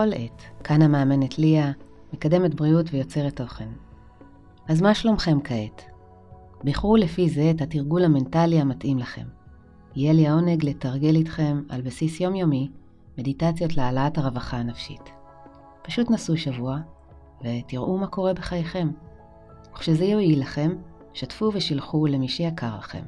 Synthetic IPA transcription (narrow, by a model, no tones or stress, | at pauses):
olʔetkʰanameːme̞ne̞tʰlia | mekade̞metbʁiutvejo̞t͡se̞ʁetːo̞χen | azmaʃlo̞mχe̞mkʰaet | biχulefize̞ːthatiʁɡulhame̞ntaliamatimlaχe̞̰m | ijeliao̞ne̞ɡletaʁɡe̞litχe̞ma̰lbasisjo̞mjo̞mi | me̞ditat͡sjo̞tlealaathaʁevaχaːnafʃḭt | paʃutnasuʃavua | vetiʁʔumako̞ʁe̞beχajeχe̞m | uχʃezejoilaχe̞m | ʃatfuveʃilχule̞miʃejakaʁlaχe̞̰m